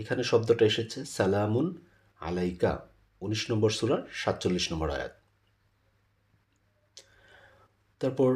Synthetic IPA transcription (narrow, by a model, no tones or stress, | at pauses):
ekʰaneʃɔb̚d̪oʈaeʃet͡ɕʰesɛlamun | a̰lajka̰ | uniʃnɔmboɾsuɾaɾʃat̪ːt͡ɕolːiʃnɔmboɾa̰ja̰t̪̚ | t̪aɾpɔɾ